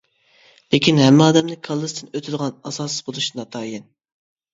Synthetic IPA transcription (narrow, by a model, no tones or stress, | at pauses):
lekʲinɦɛmːɪɑːd̪ɛmnɪkʰɑlˠːɨst̪ʰɨnøt̪ʰɪd̪əʁɑnɑsɑsɨzbolˠuʃɨnɑt̪ʰɑːjɛn